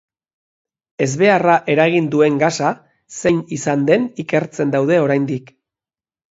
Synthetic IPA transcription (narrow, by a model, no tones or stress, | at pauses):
e̞zβe̞araʔe̞ɾaɣ̞ind̪ue̞ŋɡasa | se̞nisand̪e̞nike̞ɾt͡se̞nd̪awð̞e̞o̞ɾajnd̪ik